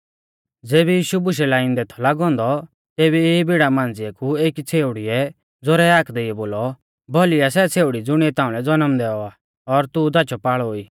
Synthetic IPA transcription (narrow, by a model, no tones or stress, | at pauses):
d͡zeːbɛjiːʃubʊʃ̬ɛlaɪ̃nd̪ɛt̪ʰɔlaɡɔ̃ːnd̪ɔ | t̪eːbieibiɽamãːnd͡zɪɛkueːkit͡sʰeːʊɽiɛ | d͡zɔɾɛaːkʰd̪eiɛboːlɔ | bʱɔlijasɛt͡sʰeːʊɽid͡zʊɽ̃iɛt̪ãːũlɛd͡zɔnəmd̪ɛːɔaː | ɔɾt̪ud̪at͡ʃʰɔpaːɭoːiː